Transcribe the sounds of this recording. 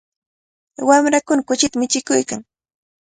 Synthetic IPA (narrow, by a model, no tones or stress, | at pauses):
wamɾakʊnakʊt͡ʃɪt̪amɪt͡ʃɪkʊjkaŋ